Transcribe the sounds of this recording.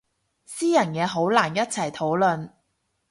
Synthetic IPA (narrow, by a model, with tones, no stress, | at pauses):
siː˥jɐ˨˩njɛː˨˧ɦo˨˥wlaː˨˩njɐ˥t̚t͡sʰɐ˨˩jt̪ʰo˨˥wlɵ˨n